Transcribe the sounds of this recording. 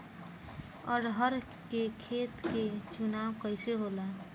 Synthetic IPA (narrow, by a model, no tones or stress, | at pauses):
ə̰ɾɦəɾ | kekʰet̪ket͡ʃunawkəɪseɦola